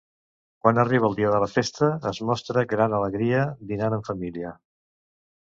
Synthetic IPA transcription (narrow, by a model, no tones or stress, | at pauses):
kwanəriβəlˠd̪iəðələfest̪əːzmɔst̪ɾəɡɾanələɣɾiəd̪inanəɱfəmiliə